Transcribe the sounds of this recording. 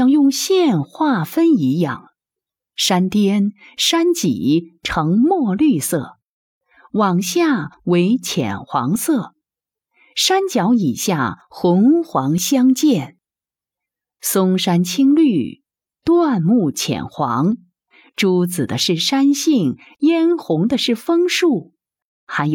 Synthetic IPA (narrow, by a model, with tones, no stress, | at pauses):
ɑ˥˧ŋjʊ˥˧ŋɕjɛ˥˧nxwa˥˩fə˥ni˧˥jɑ̰˥˩ŋ | ʂa˥nt̪jɛ˥nʂa˥nt͡ɕḭ˨˩˦ʈ͡ʂʰɤ˧˥ŋmwɔ˥˧ly˥˧sɤ̰˥˩ | wɑ˨˩ŋɕja˥˩we˧˥ɪt͡ɕʰjɛ̰˨˩nxwɑ̰˧˥ŋsɤ˥˩ | ʂa˥nt͡ɕjɑ˧˥ʊi˨˩ɕja˥˩xʊ˧˥ŋxwɑ˧˥ŋɕjɑ˥ŋt͡ɕjɛ˥˩n | sʊ˥ŋʂa˥nt͡ɕʰi˥ŋly˥˩ | t̪wa˥˧nmu˥˩t͡ɕʰjɛ̰˨˩nxwɑ˧˥ŋ | ʈ͡ʂu˧˥t͡sɹ̩˨˩d̪ə˦ʂɻ̩˥˩ʂa˥nɕi˥˩ŋ | jɛ˥nxʊ˧˥ŋd̪ə˧ʂɻ̩˥˩fɤ˥ŋʂu˥˩ | xa˧˥ɪj